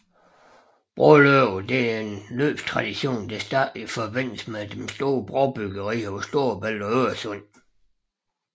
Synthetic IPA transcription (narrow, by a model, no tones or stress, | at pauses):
b̥ʁɔløʊd̥e̝æe̝nløːb̥st͡sʰʁɑ̈d̥iɕo̝̰ːnd̥æsd̥æɐ̰d̥lifɒʋen̰d̥l̩smed̥emsd̥o̝ːɐb̥ʁɒʊb̥yɡ̥əʁḭːɒsd̥o̝ɐb̥æl̰ɒøɐsɔn̰